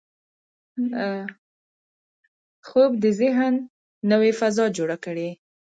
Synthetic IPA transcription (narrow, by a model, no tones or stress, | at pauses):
xob̚d̪əzɪɦnː | əwefazɑd͡ʒoɽakəɽe